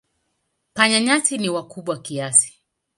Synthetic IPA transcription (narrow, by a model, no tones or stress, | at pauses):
paɲaɲasiniwakuɓwakiasi̥